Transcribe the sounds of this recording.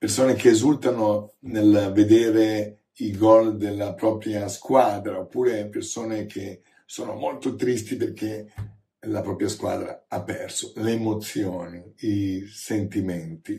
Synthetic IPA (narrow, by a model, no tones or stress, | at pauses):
persoːnek̟eːzult̪anonelved̪eːɾe | ilɡɔld̪elːapɾɔːpɾjaskwaːd̪ɾaopːuːɾepersoːnekʰe | soːnomolt̪ot̪ɾist̪iperke | lapɾɔːpɾjaskwa̰ːd̪ɾa̰apːɛrso̥leːmot̪sːjoːniisent̪iment̪i